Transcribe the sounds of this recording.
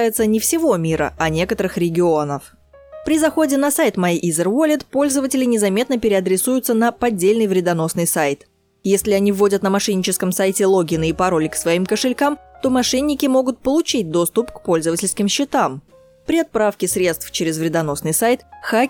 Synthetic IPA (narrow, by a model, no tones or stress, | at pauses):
jɪt̪sənʲɪfsʲɪvo̞mʲiɾə̰ʔɐnʲe̞kət̪əɾɨxɾʲɪɡʲɪo̞nəf | pɾʲɪzɐxo̞dʲɪnɐsajt̪mɐiʔizərvolʲɪt̪po̞lʲzəvətʲɪlʲɪnʲɪzɐmʲe̞t̪nəpʲɪɾʲɪɐd̪ɾʲɪsujʊt̪sənəpɐdʲːelʲnɨjvɾʲɪd̪ɐno̞snɨjsajt̪ | jesʲlʲɪɐnʲivːo̞dʲət̪nəmɐʂɛnʲːɪt͡ɕɪskəmsajtʲɪlˠo̞ɡʲɪnɨipɐɾo̞lʲɪksvɐimkəʂɨlʲkamt̪o̞mɐʂɛnʲːɪkʲɪmo̞ɡʊt̪̚pəlˠʊt͡ɕit̚ʲd̪o̞st̪ʊpkpo̞lʲzəvətʲɪlʲskʲɪmɕːɪt̪am | pɾʲɪɐt̪̚pɾafkʲɪsɾʲe̞t̪st̪ft͡ɕɪɾʲɪzvɾʲɪd̪ɐno̞snɨjsajt̪xa